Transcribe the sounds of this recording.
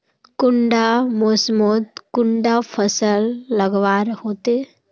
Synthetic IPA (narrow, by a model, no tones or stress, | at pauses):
kʊɳɖamosmoːt̪kʊɳɖapʰəsəlːəɡʋaːɾhoːt̪e